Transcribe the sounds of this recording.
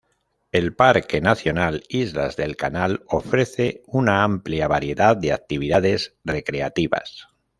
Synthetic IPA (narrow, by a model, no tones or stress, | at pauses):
e̞lpaɾke̞naθjo̞nalizla̰zðe̞lkanalo̞fɾe̞θe̞unaampljaβaɾje̞ðaðd̪e̞ak̚t̪iβ̞iðaðe̞sre̞kɾeat̪iβa̰s